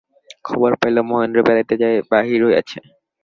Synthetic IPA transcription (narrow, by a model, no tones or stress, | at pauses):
kʰɔboɾpajlomoɦendɾobɛlat̪ed͡ʑaebaɦiɾoea̰t͡ɕʰe